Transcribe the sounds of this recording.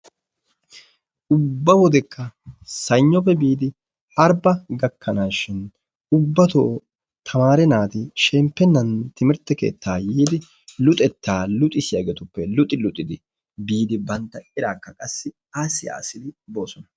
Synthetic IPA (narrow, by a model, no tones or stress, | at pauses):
ʔʊbːɐwɔd̪ɛkʰːɐsɐjɲːɔfɛbiːd̪ɪ | ʔɐɾbɐɡɐkːɐnaːʃɪn | ʊbːɐt̪oː | t̪ʰɐmaːɾɛnaːt̪ɪʃɛmpːɛnːɐnt̪ɪmɪɾt̪ːɛke̞̰ːt̪ːaːjiːd̪ɪ | lʊt̪ʼɛt̪ːaːlʊt̪ʼɪsɪjaɡeːt̪ʊpːɛlʊt̪ʼɪlʊt̪ʼːɪd̪ɪ | biːd̪ɪbɐnt̪ːɐɪɾaːkːɐkʼɐsːɪ | aːsɪa̰ːsɪd̪ɪbo̞ːsɔnɐ